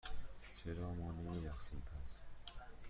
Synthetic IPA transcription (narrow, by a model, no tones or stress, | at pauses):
t͡ʃʰeɾɒːmɒːnemijæxsinpʰæs